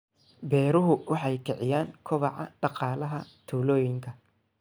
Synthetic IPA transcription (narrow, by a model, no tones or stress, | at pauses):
bɛːɾʊɦʊwɑħɑjkʰɪʕɪjaːŋkʰʊβɑʕɑ̰ɖɑqɑːlɐɦɐt̪ʰuːlɔːjɪŋkʰɐ